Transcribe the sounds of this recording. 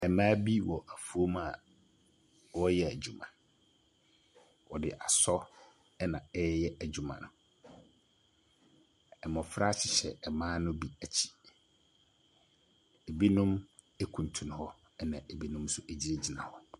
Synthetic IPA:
ɛ˨mãː˦bi˦wɔ˨ʔa˨fu˨o˦ma˨ | wɔ˦jɛ˦æ˨d͡ʑu˨mã̰˨ | wɔ˨dɪ˨ʔa˨sɔ˦ | ɛ˦nã̰˨ɛ˦jɛ˦æ˨d͡ʑᶣu˨mã̰˨nʊ̰̃˨ | ɛ˨mɔ̃˨fɾa˦t͡ɕʰɪ˨ɕɛ̰˨ɛ˨mãː˦nʊ̃˦bi˦æ˨t͡ɕʰi̥˨ | e˨bi˦nʊ̃˦m | e˦kʰũ˨n˨tʰũ˨nʊ̃˨hɔ˦ | ɛ˦nã˨ʔe˨bi˦nʊ̃˦msʊ˦ʔe˨d͡ʑi˦ɾe˦d͡ʑi˨nã̰˨hɔ˦

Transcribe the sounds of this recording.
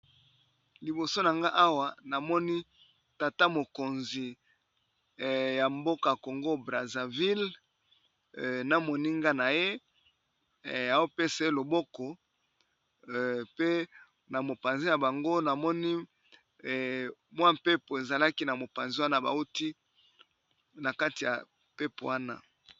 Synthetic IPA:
li˨bo˨so˦na˨ŋɡa˦ʔa˦wa˨na˨mɔ˦ni˦ | ta˨ta˦mo˨ko˨nzi˨ | ja˨mbo˦ka˨ko˨ŋɡo˦bʁa˨za˨vi˦l | na˦mo˨ni˦ŋɡa˦na˨je˦˨ | a˨o˦pe˦sa˦e˦lo˨bɔ˦kɔ˨ | pe˦ | na˨mo˨pa˨nzi˦ja˨ba˨ŋɡo˦na˨mɔ˦ni˦˨ | mwa˦mpe˦po˨e˨za˨la˦ki˦na˨mo˨pa˨nzi˦wa˦na˦ba̰˨o˦ti˦ | na˨ka˦ti˨ja̰˨ | pe˦po̰˨wa˦na̰˦

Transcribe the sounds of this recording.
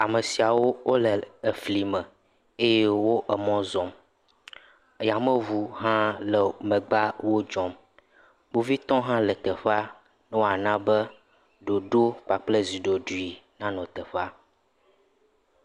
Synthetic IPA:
a˨mə˨si˨a˨wo˦wʔo˦lə˨ə˨fli˨mə̃˨ | e˦je˦wo˦ʔə˨mɔ̃˦zɔ̃˨m˨ | ja˨mə̃˦vu˨ɦã˦lə˨mə̃˨ɡ͡ba˦wo˦d͡ʒɔ̃˦m | bo˦vi˦t̪ɔ̃˦ɦã˦lə˨t̪ə˨ɸa˦ | nɛ̃˦wo˦a˨nã˦bə˦ | ɖo˨ɖo˦k͡pa˨k͡plə˦zi˨ɖo˨ɖu˦i˨nã˦nɔ̃˨t̪ə˨ɸa˦

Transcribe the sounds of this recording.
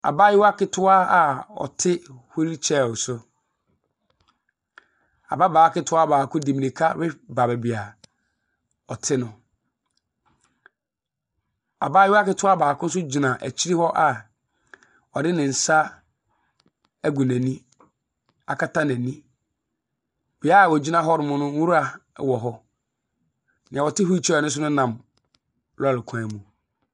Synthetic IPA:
a̰˨ba˦jɪ˦wa˦kɪ˦tʰʊ˦a˦a˨ɔ̰˨tʰɪ˦hu˦ɾi˦t͡ɕʰɛ˦˨wʊ˨sʊ˦ | a̰˨ba˦baː˨˦kɪ˦tʰʊ˦a˦baː˨kʰʊ̃˦di˨mĩ˨nĩ˨kʰa˦ɾɪ˦ba˨bɛ˨bi˨a˨ | ɔ˨tʰɪ˦nʊ̃˨ | a̰˨ba˦jɪ˦wa˦kɪ˦tʰʊ˦a˦baː˨kʰʊ̃˦n̩˦s̬ʊ˦d͡ʑi˨nã˨ʔæ̰˨t͡ɕʰi˦i˦hɔ˦ʔa˨ | ɔ˨dɪ˦nɪ̃˨n̩˨sa˦ | æ˨ɡu˨næ̃˨nĩ˦ | a˨kʰa˦tʰã˦nɛ̃˨nĩ˦ | bɪ˨˦a˦˨wɔ˨d͡ʑi˦nã˦ɦɔ˦ɾɪ˨mʊ̃˦nʊ̃˦u˦ɾa˨wɔ˨ɦɔ˦ | nɪ̃˨a˨wɔ˨tʰɪ˦hu˦i˦˨t͡ɕʰɛ˨nʊ̃˦s̬ʊ˦nʊ̃˦nã˨m | lʊ˦a˨lɪ˨kʰã˨mũ˨

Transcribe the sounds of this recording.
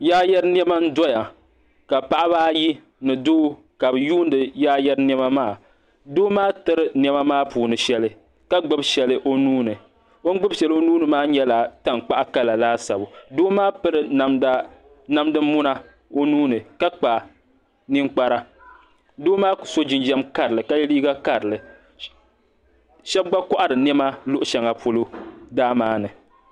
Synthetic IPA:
jaː˦jɛ˦ɾn˦ɛ˦ma˦n̩˦dɔ˦ja˨ | ka˨pa˦ʔa˦βaː˦ji˦ | nɨ˨dʊː˦ | ka˨bɨ˨juː˦ndɨ˨jaː˦jɛ˦ɾn˦ɛ˦ma˦maː˦˨ | doː˦maː˦tɨ˦ɾɨ˦n˦ɛ˦ma˦maː˦puː˨nɨ˨ʃɛ˦lɨ˦ | ka˦ɡ͡bɨ˦bʃɛ˨lɨ˦ʔo˦nuː˦nɨ˨ | o˦ŋ˦ɡ͡bɨ˦bʃɛ˨lo˦nuː˦nɨ˨maː˦ɲɛ˦la˨ta˦ŋ˨k͡pa˦ʔa˦ka˦la˨laː˦sa˨bʊ˨doː˦maː˦pɨ˦ɾɨ˨˦ma˦ | na˦mdɨ˦mːʊ˦na˦ | o˦nuː˦nɨ˨ka˦k͡pa˨ | nɪ˦ŋk͡pa˦ɾa˦ | doː˦maː˦˨so˦d͡ʒɪ˨nd͡ʒɛ˦mka˨ɾɨ˨lɨ˨ka˦jɛ˦liː˦ɡa˦ka˨ɾɨ˨lɨ˨ | ʃɛ˦b̚ɡ͡ba˦kɔ˦ʔa˦ɾɨ˨nɛ˦ma˦lʊ˦ʔʊ˦ʃɛ˨ŋa˨pʰo˦lo˦daː˦maː˦nɨ˨

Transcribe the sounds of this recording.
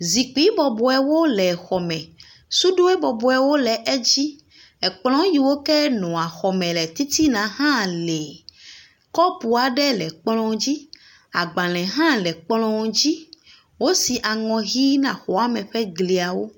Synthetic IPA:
zi˨k͡pi˦bɔ˨bɔ˨ɛ˦wo˦lɛ˨xɔ˨mɛ̃˨ | su˦ɖo˦ɛ˦bɔ˨bɔ˨ɛ˨wo˦lɛ˨ʔɛ˦d͡ʑi˦ | ɛ˨k͡pl̃ɔ̃˦ji˨wo˦kɛ˦nɔ̃˨a˨xɔ˨mɛ̃˨lɛ˨t̪i˦t̪i˦nã˨ɦã˦lɛ˨ | kɔ˦pu˨a˨ɖɛ˦lɛ˨k͡plɔ̃˦d͡ʑi˦ | a˨ɡ͡ba˨l̃ɛ̃˨ɦã˦lɛ˨k͡plɔ̃˦d͡ʑi˦ | wo˦si˨ʔa˨ŋɔ̃˨ɣi˦nã˨xɔ˨a˦mɛ̃˨ɸɛ˦ɡli˨a˨wo˦

